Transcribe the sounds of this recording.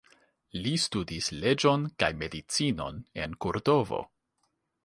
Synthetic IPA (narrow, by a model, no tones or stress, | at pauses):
listudisle̞d͡ʒo̞nkajme̞dit͡sino̞̰ne̞nkoɾdo̞vo̞̰